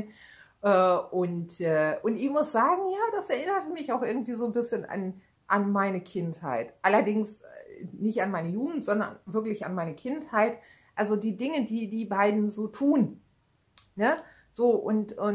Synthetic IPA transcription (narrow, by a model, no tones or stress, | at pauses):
ʔɛːʊntʔɛːʔʊntɪçmʊsz̥aːɡŋ̩jaːd̥asɛɐʔɪnɐtəmɪçaʊxʔɪɐɡŋ̩tv̥iːzoːnbɪsçəna̰n | ʔanmaɪnəkʰɪntha̰ɪtʔalɐdɪŋsnɪçtanmaɪnəjuːɡŋ̩tz̥ɔndɐ̰nvɪɐklɪça̰nmaɪnəkʰɪnthaɪt | ʔalzodiːdɪŋədiːdiːbaɪdn̩zoːtʰuːn | nə | z̥oːʔʊ̰ntʊ